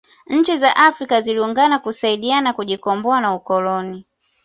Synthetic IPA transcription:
ɲ̩t͡ʃizaʔafɾikaziliuŋɡanakusaiɗianakuʄikɔmbɔanaukɔlɔni

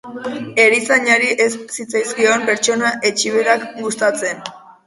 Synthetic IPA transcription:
e̞ɾisaɲaɾiʔe̞ssit͡sajskio̞mpe̞ɾt͡ʃo̞naʔe̞t͡ʃiβe̞ɾakɡust̪at͡se̞n

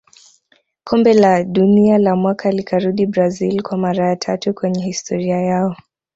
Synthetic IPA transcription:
kʰɔmbɛlaɗunialamwakʰalikʰaɾuɗibɾazilkwamaɾajatʰatukwɛɲɛhistʰɔɾiajaɔ

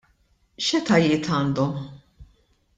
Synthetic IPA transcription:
ʃɛt̪ɐjɪːt̪ʰɐːnd̪ɔm

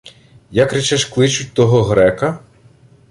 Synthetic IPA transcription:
jɐkrɛt͡ʃɛʃklˠɪt͡ʃʊt̚ʲt̪ɔɦɔɦɾɛkɐ

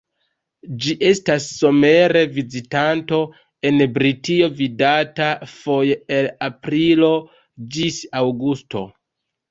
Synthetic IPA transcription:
d͡ʒiʔe̞stasːo̞me̞ɾe̞vizitanto̞ | e̞nbɾitio̞vidatafo̞jeelapɾilo̞ | d͡ʒisawɡusto̞̰

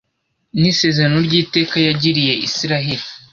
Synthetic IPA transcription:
nise̞ːzeɾanoɾɟiːte̞ːkajaɟiɾije̞ʔisiɾaɦeɾi

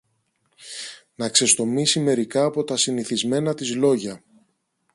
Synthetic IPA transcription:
nɐkse̞st̪o̞misime̞ɾikɐːpo̞t̪ɐsiniθizme̞nɐt̪izlo̞ʝɐ

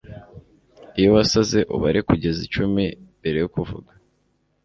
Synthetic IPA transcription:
ijoβasaze̞ʔṵβaɾikuɟe̞zit͡ʃumimbe̞ɾe̞jukuvṵɡa

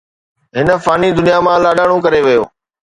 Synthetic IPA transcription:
ɦɪnə̆faːnid̪ʊnijamãlaːɗaːɽ̃ũkɐɾeʋɪjo̰ː

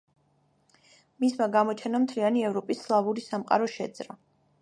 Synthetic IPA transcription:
mismaɡamɔt͡ʃʰɛnamt̪ʰlianiɛvɾɔpʼisːlˠavuɾisamqʼa̰ɾɔʃɛd̪z̥ʼɾa

